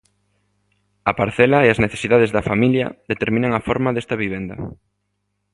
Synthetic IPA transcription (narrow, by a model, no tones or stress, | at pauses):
ɐpaɾθɛlɐeɐzneθe̥siðað̞ezðɐfamiljɐ̰ðet̪eɾmĩnɐŋɐfɔɾmaðɛst̪ɐβiβ̞ɛnd̪ɐ̰